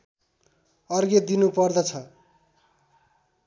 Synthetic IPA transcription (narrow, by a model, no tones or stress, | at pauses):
ʌrɡed̪inupʌrd̪ʌt͡sʰʌ